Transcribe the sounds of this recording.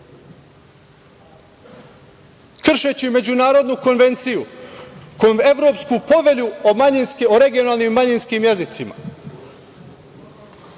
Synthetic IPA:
kr̩ʃet͡ɕime̞d͡ʑunaːɾo̞d̪nuko̞nʋe̞nt̪siju | koe̞ʋɾo̞ːpskupo̞ʋe̞ʎuomaɲinskoɾe̞ɡijo̞naːlˠnimːaɲinskimje̞zit̪sima̰

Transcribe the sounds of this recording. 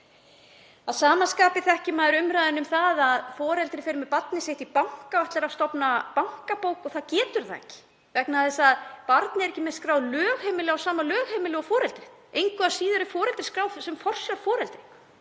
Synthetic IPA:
aðsaːmanskaːpɪθɛhcɪmaːðɾʏmɾajðɪnʏmθaðaðfɔːɾɛlt̪ɾɪfɪːɾʏmɛpat̪̚nɪseht̪ipawŋ̥kaœht̪laɾast̪ɔpnapaŋ̥kapoːwkɔθaðcɛːt̪ʏɾθaɛ̰cɪ̥ | vɛknaθɛsaðpaɾt̪nɪɛɾɛhcɪmɛðskɾaːwðlœːɣhɛːmɪlɪawsaːmalœːɣhɛmɪlɪɔfɔːɾɛlt̪ɾɪ̥ht̪ejŋkʏasiːðʏɾɪfɔːɾɛlt̪ɾɪ̥skɾaːwsɛmfɔr̥sjawfɔːɾɛlt̪ɾɪ̥

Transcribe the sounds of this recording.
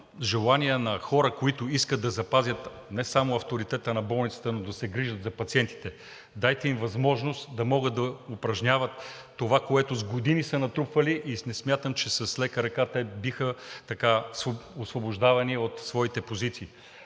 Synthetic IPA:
ʒɛlˠaniɛnɐxɔɾəkoit̪ʊiskəd̪ɐzɐpazʲjət̪ | nɛsamʊɐft̪oɾit̪ɛt̪ənɐbɔlˠnit̪sə̥t̪ənod̪ɐsɛɡɾiʒət̪zɐpɐt̪siɛnt̪i̥t̪ɛ | d̪ajt̪ɛimvɐzmɔʒnost̪d̪ɐmɔɡət̪̚d̪ɐʊpɾɐʒnʲavət̪ː | ovakoɛt̪ʊzɡod̪inisənɐt̪ɾupvɐliʔisnɛsmjat̪əmt͡ʃɛsɐslɛkəɾɐkat̪ɛbixət̪ɐkasoosvoboʒd̪avɐniot̪svɔit̪ɛpozit̪siː

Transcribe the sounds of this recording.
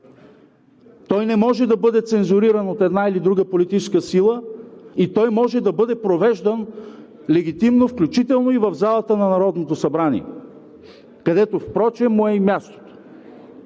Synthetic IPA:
t̪ɔjnɛmɔʒɛd̪ɐbɤd̪ɛt̪sɛnzʊɾiɾənot̪ɛd̪nailid̪ɾuɡəpolit̪it͡ʃɛskəsilˠəit̪ɔjmɔʒɛd̪ɐbɤd̪ɛpɾovɛʒd̪ən | lɛɡʲit̪imnofklʲut͡ʃit̪ɛlˠnoivɐvzalˠət̪ənɐnɐɾɔd̪not̪osɐbɾanḭɛ̰ | kɐd̪ɛt̪ofpɾɔt͡ʃɛmoɛimjast̪o̥t̪o̥

